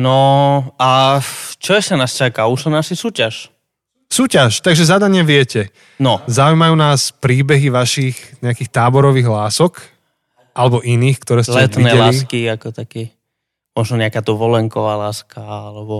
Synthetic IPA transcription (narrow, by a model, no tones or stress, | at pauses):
nɔat͡ʃɔɛslɛnaːst͡ʃakauʃɔnaʃisuːcaʃ | suːcaʃt̪aɡʒɛzad̪aɲɪaʋɪɛcɛ | nɔzaujmajuːnaːspɾiːbɛɦiʋaʃixɲɛakiːxt̪aːbɔɾɔʋiːɣlaːsɔk | ʔalɛbɔʔiniːxkt̪ɔɾɛːslɛt̪ninɛɛlalːiskiakɔt̪akɛ | mɔʒnɔɲɛakaːt̪ɔʋɔlɛŋkɔʋaːlaːskʰaalɛbɔ